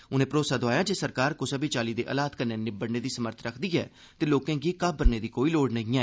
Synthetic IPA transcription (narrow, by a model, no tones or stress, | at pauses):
ʊnẽːpɾoːsaːd̪ʊaːjaːd͡ʒeːsəɾkaːɾkosəbiːt͡ʃaːliːd̪ḛːʔə̰laːt̪kəneːnɪbəɽneːd̪iːsəməɾt̪ʰɾəkʰd̪iːɦɛ̰ː | t̪eːloːkẽːɡiːkabəɾneːd̪iːkoːiːloːɽnəɦĩːãɛː